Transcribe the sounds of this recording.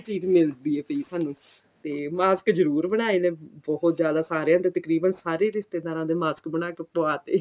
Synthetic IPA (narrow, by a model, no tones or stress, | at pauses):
ʈiːd͡ʒmɪld̪iːeːt̪əiːsaːnũː | t̪eːmaːsəkzəɾuːɾbəɽ̃aːeːnẽːbɔɦʊt̪d͡ʒjaːd̪aːsaːɾejãːt̪eːt̪əkɾiːbənsaːɾeːɾɪst̪eːd̪aːɾãːd̪eːmaːsə̥kbəɽ̃aːkepoaːt̪eː